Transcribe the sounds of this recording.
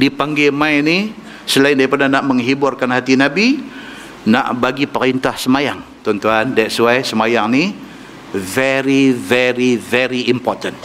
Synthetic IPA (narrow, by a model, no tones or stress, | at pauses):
dipaŋɡɛmajni | səlaɪindaipadanaʔməŋɦiburkanhat̪inabi | na̰ʔbaɡipəɾint̪ahsəmajaŋt̪ɔnt̪uandajɛsuajsəmajaŋni | vɛɾivɛɾivɛɾiimpɔrt̪ən